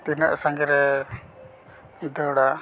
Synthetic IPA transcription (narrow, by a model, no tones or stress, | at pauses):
t̪inəʔsaŋɡɛɾɛ | d̪əɽa